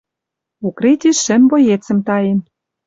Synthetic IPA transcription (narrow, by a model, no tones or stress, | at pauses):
ukɾet̪ʲiʃːɘ̆mbojet͡sə̆mt̪ɑjĕn